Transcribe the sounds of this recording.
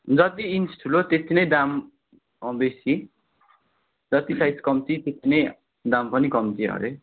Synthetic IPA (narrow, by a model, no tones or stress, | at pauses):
d͡zʌt̪iːnsʈʰulot̪et̪ʰinʌjd̪am | besi | d͡zʌt̪isajskʌmt͡sit̪et̪ʰːinʌj | d̪ampʌnikʌmt͡siʌ̰ɾe